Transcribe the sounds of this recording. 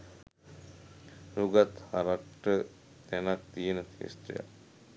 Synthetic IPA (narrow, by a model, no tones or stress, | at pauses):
ɾuɡat̪haɾakʈːə | t̪ɛnak̚d̪ijenət̪ʰḛst̪ɾḭja̰